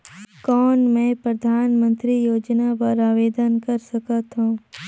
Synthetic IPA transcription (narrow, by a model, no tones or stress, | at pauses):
kɔːnmɛ̃ːpɾɐd̪ʱaːnmə̃nt̪ɾijoːd͡ʒnapɐɾaːʋeːd̪ənkɐɾsɐkət̪ɦũː